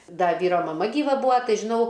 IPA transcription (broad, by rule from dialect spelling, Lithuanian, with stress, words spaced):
ˈdɐ ˈʋʲiːroː mɐˈmɐ ɡʲiːˈʋɐ ˈbuːɐ ˈtɐɪ ʒʲɪˈnɐʊ